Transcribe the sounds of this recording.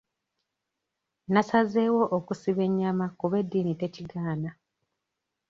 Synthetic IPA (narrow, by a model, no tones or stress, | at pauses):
nasaze̞wo̞ʔokusiβe̞ɲːamakuβe̞dːiːnite̞ciɡaːna